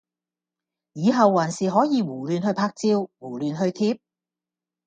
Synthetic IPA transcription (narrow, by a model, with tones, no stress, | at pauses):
jiː˨˧ɦɐ˨wːaː˨˩nsiː˨˩ɦɔː˨˥jiː˨˧wuː˨˩lyː˨˧nhɵ˧ɥpʰaː˧k̚t͡siː˧wwuː˨˩lyː˨nɦɵ˧ɥt̪ʰiː˧p̚